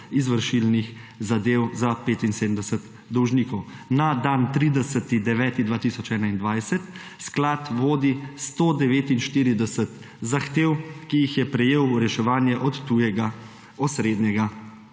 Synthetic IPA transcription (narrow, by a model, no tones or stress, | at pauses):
izʋəɾʃilnixzad̪eːwzapeːt̪inseːd̪əmd̪ɛsət̪ | d̪ɔwʒniːkɔwnad̪ant̪ɾiːd̪ɛsət̪id̪ɛʋɛːt̪id̪ʋaːt̪isɔt͡ʃɛːnaind̪ʋajsət̪ | sklat̪ʋoːd̪ist̪od̪ɛʋeːt̪inʃt̪iːɾid̪ɛsət̪ | zaxt̪eːwkijixjɛpɾɛjeːwɾɛʃɛʋaːnjɛʔɔt̪ːujɛɡa | ɔsɾeːd̪nɛɡa